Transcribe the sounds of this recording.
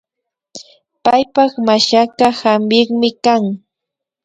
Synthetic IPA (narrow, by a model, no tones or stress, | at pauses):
pajpɑχmaʃakahambɪχmɪkaŋ